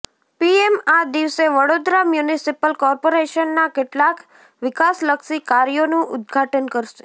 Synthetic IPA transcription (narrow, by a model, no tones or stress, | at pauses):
piemad̪iʋseʋəɽod̪ɾamjunisipəlkɔɾpoɾeʃənːakeʈlak | ʋɪkasləkʃikaɾjonũʔʊ̰d̪̚ɡʱaʈənkəɾʃe̥